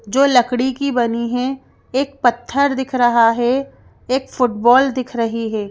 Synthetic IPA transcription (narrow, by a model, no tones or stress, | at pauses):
d͡ʒoːlɐkɽikibɐniɦɛ | eːk̚pɐt̪ʰːəɾd̪ɪkʰɾɐɦaɦɛ | eːkfʊʈbɔːld̪ɪkʰɾɐɦiɦɛː